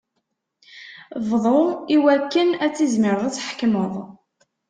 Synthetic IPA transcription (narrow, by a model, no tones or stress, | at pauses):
vðˤoiwækːənæt͡sːizmɪɾðˤæt͡sːħkməðˤ